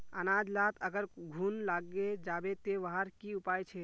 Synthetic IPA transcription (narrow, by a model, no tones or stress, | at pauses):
ənad͡ʒlat̪əɡəɾɡʱunlaɡed͡ʒabet̪eʋaɦəɾkiupajt͡ʃʰɛ